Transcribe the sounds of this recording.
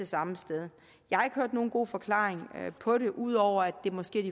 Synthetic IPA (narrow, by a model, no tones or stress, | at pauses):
esɑ̈məsd̥eð̞ˠ | jɑ̈hɑ̈e̝ɡ̥høɐd̥no̝ːn̩ɡ̥o̝̰ːfɒ̽kʰlɑ̰̈ːeŋpʰɒ̽ɾe̝ʔuð̞̰ˠɒʊ̰ɐæd̥e̝mɒ̽sɡ̥e̝̰ɐd̥i